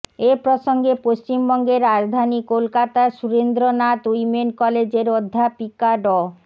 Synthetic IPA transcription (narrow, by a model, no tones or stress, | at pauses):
epɾoʃoŋɡepoʃt͡ɕimbɔŋɡeɾːad͡ʑd̪ʱanikolkat̪asuɾend̪ɾonat̪ujmenkɔled͡ʑeɾod̪ʱːapikaɖɔ